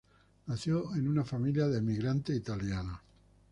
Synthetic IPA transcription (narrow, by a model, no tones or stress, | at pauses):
naθjoenunafamiljaðe̞miɣɾant̪eit̪aljana